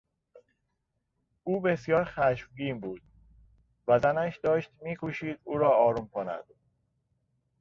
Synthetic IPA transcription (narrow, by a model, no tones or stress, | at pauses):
uːbesjɒːɾxæʃmɟiːmbuːd̪̥̚ | væzænæʃd̪ɒːʃt̪miːkʰuʃiːd̪uːɾɒːɒːɾuːmkʰonæ̰d̪̥̚